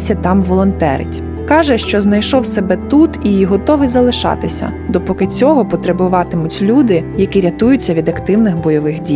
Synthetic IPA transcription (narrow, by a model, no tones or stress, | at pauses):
sʲɐt̪ɑmʋɔlˠɔnt̪ɛ̰ɾɪ̰tʲ | kɑʒɛʃt͡ʃɔznɐjʃɔwsɛbɛt̪ut̪iɦɔt̪ɔʋɪjzɐlˠɪʃɑ̰t̪ɪsʲɐ̰ | d̪ɔpɔkɪt͡sʲɔɦɔpɔt̪ɾebʊʋɑt̪ɪmʊtʲlʲud̪ɪjɐkiɾʲɐt̪ujʊt͡sʲːɐʋʲid̪ɐkt̪ɪwnɪxbɔjɔʋɪxdʲi